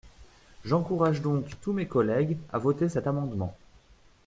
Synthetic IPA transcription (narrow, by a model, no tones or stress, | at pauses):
ʒɑ̃kuʁaʒd̪ɔ̃kt̪umekɔlɛɡa̰vot̪esɛt̪amɑ̃d̪mɑ̰̃